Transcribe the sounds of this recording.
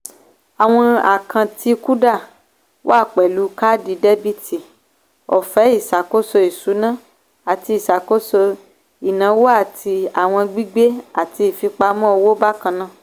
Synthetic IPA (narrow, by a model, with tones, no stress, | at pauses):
a˨w̃ɔ̃˧a̰˨kʰã˨ti˧ku˦da˦˨ | wa˦˨k͡pɛ˨lu˨˦ka˦di˧de˦bi˦ti˨ | ɔ˨fɛ˨˦i˦˨sa˨ko˦so˧i˨su˨˦nã˦˨ | a˨ti˧i˨sa˨ko˦so˧ | i˨nã˨˦wo˦a˦˨tʰi˧a˨w̃ɔ̃˧ɡ͡bi˦ɡ͡be˦a˨ti˧i˨fi˧k͡pa˧˦mã˦ɔ˧wo˦ba˦kã˧nã˦˨